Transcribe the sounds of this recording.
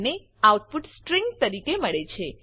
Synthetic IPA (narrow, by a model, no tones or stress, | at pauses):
ne | awʈ̚puʈsʈɾiŋɡt̪əɾikeməɭet͡ʃʰe